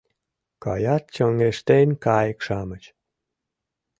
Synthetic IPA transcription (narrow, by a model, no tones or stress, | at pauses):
kɑ̰jɑt̪̚t͡ɕəŋeʃt̪enʲkɑjəkʃɑmət͡ɕ